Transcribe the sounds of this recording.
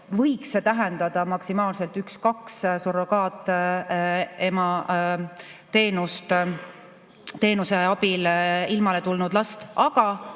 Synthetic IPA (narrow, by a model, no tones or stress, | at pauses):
vɤjkset̪æɦɛnd̪̥ɑd̪̥ɑmɑksimɑːlse̞lt̪ːykskɑkssoɾo̞kɑːt̪ːˑ | e̞mɑ | t̪e̞ːnust̪ | t̪e̞ːnuseɑb̥ililmɑle̞t̪ulnud̪lɑst̪ɑɡ̥ɑ